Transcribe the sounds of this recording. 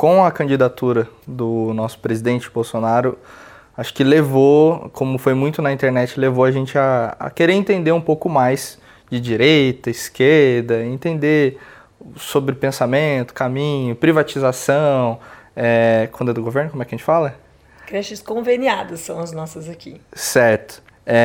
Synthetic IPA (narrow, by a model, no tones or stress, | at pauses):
kõw̃ɐkɐ̃nd͡ʒid̪at̪uɾɐd̪ʊnɔsʊ̥pɾezid̪ẽnt͡ʃɪ̥bowsonaɾʊ | aʃʊ̥kɪlevokʰõmʊfojmũj̃t̪ʊnɐĩt̪eɾnɛt͡ʃɪlevoɐʒẽnt͡ʃɪa̰ːkeɾeɾẽt̪ẽnd̪eɾũpowkʊmajz | d͡ʒɪd͡ʒiɾejt̪ɐiskeɾd̪ɐẽnt̪ẽnd̪e | sobɾɪpẽsamẽnt̪ʊ̥kamĩɲʊpɾivat͡ʃizasɐ̃w̃ɛkwɐ̃nd̪ɛd̪ʊɡoveɾnʊkomɛkɐʒẽt͡ʃɪ̥falɐ | kɾɛʃɪskõveniad̪ɐsːɐ̃w̃ɐznɔsɐzakisɛɾt̪ʊ̥ | ɛ